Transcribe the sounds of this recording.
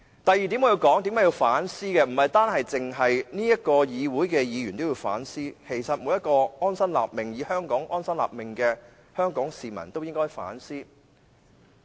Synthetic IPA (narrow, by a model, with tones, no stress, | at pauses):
t̪ɐ˨jːiː˨t̪i˨˥mɔː˨˧ji˧wkɔː˨˥ŋt̪iː˨˥mkaː˨˥ji˧wfaː˨˥nsiː˥kɛː˧m̩˨˩hɐ˨jt̪aː˥nhɐ˨jt͡sɪ˨ŋɦɐ˨jniː˥jɐ˥t̚kɔː˧jiː˨˧wuː˨˥jkɛː˧jiː˨˧ɥy˨˩nt̪o˥wjiː˧wfa̰ː˨˥nsiː˥kʰe˨˩jsɐ˨t̚mu˨˧˥jɐ˥t̚kɔː˧ɔː˥nsɐ˥nla̰ː˨p̚mɪ˨ŋjiː˨˧hœː˥ŋkɔː˨˥ŋʔɔː˥nsɐ˥nla̰ː˨p̚mɪ˨ŋkɛː˧ | hœː˥ŋkɔː˨˥ŋsiː˨mɐ̰˨˩nt̪o˥wjɪ˥ŋkɔː˥jfa̰ː˨˥nsiː˥